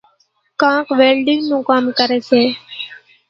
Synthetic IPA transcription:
kãːkʋeːlɖɪŋnũːkaːmkəɾeːseː

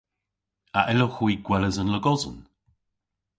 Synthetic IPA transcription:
aʔɛloxwiːɡ̥wɛləzənləɡɔzʊ̰n

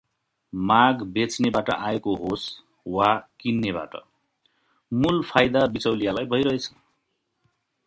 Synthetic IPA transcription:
maɡbet͡snebaʈʌ̰ʔaekoɦos | wakinːeba̰ʈʌ̰ | mulpʰajd̪abit͡sʌwlijalajbʱʌjɾʌet͡sʰʌ̥

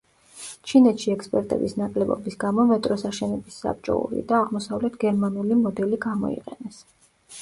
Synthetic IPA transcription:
t͡ʃʰinɛt̪ʃiɛkspʼɛɾt̪ʼɛ̰bisnakʼlɛbɔ̰bisɡamɔmɛt̪ʼɾɔsaʃɛnɛbisːa̰p̚t͡ʃʼɔ̰ṵɾḭd̪aːʁmɔsavlɛt̪ʰɡɛɾmanulimɔd̪ɛliɡamɔ̰ḭqʼɛnɛs

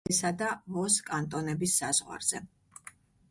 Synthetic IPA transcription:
sad̪avɔskʼant̪ʼɔnɛbisːaz̥ʁwa̰ɾz̥ɛ

